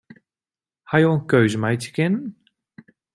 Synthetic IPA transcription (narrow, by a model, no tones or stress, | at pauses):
hajəənkøɥzəmɛjtjə̥kɪnən